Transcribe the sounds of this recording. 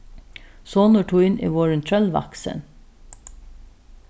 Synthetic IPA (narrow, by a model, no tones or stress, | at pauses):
soːnəʈʰuːɪnʔḭːʋoːɹənt̪ʰɹœlʋɑ̰ksə̰n